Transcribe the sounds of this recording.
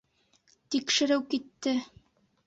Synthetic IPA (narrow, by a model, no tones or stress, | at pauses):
t̪ikʃɘ̆ɾɘwkit̪ːɘ